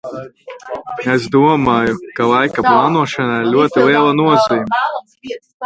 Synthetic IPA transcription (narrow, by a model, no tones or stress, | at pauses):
esd̪uɔmaːjukalˠajkaplˠɑːnuɔʃanaiɾlʲuɔt̪ilˠiɛlˠanuɔziːmʲɛ